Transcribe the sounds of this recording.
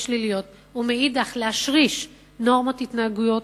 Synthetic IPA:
ʃlilijo̞t̪̚ | umeidaχlehaʃʁiʃ | no̞ʁmot̪hit̪naaɡujo̞t

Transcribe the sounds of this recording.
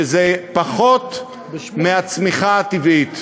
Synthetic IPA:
zepaχot̪ | meat͡smiχaat̪ivit̪

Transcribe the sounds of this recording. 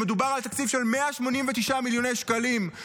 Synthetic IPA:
med̪ubaʁalt̪akt͡sifʃe̞lmeaʃmo̞nimvet̪iʃamiljo̞nejʃkalim

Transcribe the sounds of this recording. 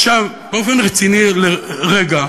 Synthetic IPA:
ʃavbeo̞fe̞nʁet͡sinileʁeɡa

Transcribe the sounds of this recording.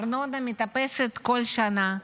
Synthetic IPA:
ɾnod̪amit̪apeset̪kolʲʃana

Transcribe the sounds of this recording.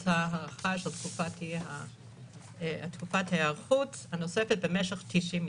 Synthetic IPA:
thaɦaʁaχaʃelt̪kufathia̰ | atkufathajaʁχuthano̞sefet̚bemeʃeχt̪iʃim

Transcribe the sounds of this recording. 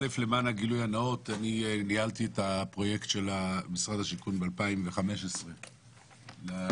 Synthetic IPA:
lefle̞manaɡilujanao̞taninialtietapʁo̞je̞ktʃelamisʁadaʃikunbealpaimveχame̞ʃesʁe̞ | la

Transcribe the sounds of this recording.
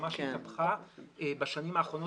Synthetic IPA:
maʃapχaebaʃanimaːχʁo̞no

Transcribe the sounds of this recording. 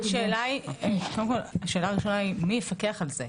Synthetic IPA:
ʃeːlaikodemkolaʃe̞ːlaːʁiʃo̞naimijefakeaχalze

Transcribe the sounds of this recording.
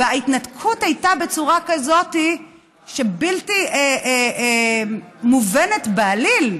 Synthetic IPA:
eaitnatkʰuthajtabe̞t͡suʁakazo̞ti | ʃe̞biltie | muvene̞tbaːlil

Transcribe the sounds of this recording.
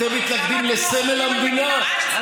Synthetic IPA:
emit̪lak̚d̪imlesemelamd̪ina

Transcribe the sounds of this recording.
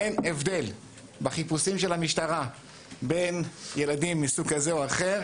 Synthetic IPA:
enevd̪e̞l | baχipusimʃe̞lhamiʃtaʁa | be̞njeladimːisuɡkazeoaχe̞ʁ

